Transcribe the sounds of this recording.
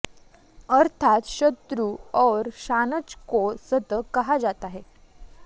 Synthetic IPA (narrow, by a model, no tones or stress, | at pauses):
əɾt̪ʰat̪ɕət̪ɾuːɔɾɕanət͡skosət̪əkəɦad͡zat̪aɦe